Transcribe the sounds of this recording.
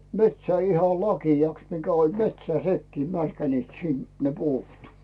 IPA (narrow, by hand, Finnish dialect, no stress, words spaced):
metsæː ihɑ lɑkiɑks mikæ olʲ metsæː nekːiː mærkæniːt sin ne puːt